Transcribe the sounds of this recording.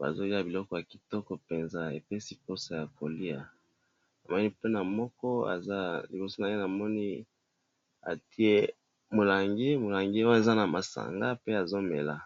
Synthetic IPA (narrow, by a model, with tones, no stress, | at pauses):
ba̰˨zo˦ji˦a˦bi˨lɔ˦kɔ˦ja˨ki̥˨tɔ˦kɔ˨pe˨nza˦ḛ˨pe˦si˦ko˦sa˦ja˨ko˨li˦a˨ | na˨mɔ˦ni˦pe˦na˨mɔ˦kɔ˦a̰˨za˦lḭ˨bo˨so˦na˨je˦na˨mɔ˦ni˦ | a̰˨ti˦e˦ | mo˨la˨ŋɡi˦mo˨la˨ŋɡi˦o˦e˨za˦na˨ma˨sa̰˨ŋɡa˦pe˦a˨zo˦me˨la̰˨